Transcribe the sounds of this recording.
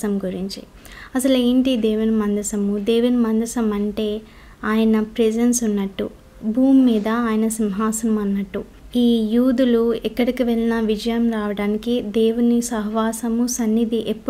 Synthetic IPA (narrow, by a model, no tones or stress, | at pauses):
ɐmɡuɾiɲt͡ʃḭ | ɐsɐleːɳʈid̪eːʋunimɐnd̪ɐsɐmud̪eːʋunimɐnd̪ɐsɐmɐɳʈe̞ː | aːjɐnɐpɾed͡ʒensunːɐʈːṵ | bʱuːmːiːd̪ɐaːjɐnɐsimɦaːsɐmɐnːɐʈːu | iːjuːd̪uluɛkːɐɽikiʋɛɭinɐʋid͡ʒɐjɐmɾaːʋɐɽaːnikid̪eːwunisɐɦʋaːsɐmusɐnːid̪iʔepːu